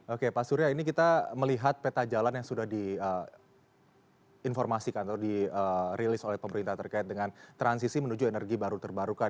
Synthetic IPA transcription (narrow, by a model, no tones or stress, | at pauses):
okepasuɾiainik̬it̪aməliɦat̪̚pet̪ad͡ʒalanjaŋsudahdiə | informasikant̪diəɾilɪsolɛhpəməɾint̪aht̪ərkaɪt̪̚dəŋant̪ɾans̬isimənud͡ʒuenərɡibaɾut̪ərbaɾukan